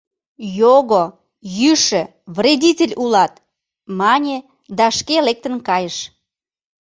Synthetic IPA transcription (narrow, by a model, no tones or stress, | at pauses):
joɣo | jyʃə̆ | vrʲedʲitʲelʲulɑt̪ | mɑnʲe | d̪ɑʃkelek̚t̪ənkɑjəʃ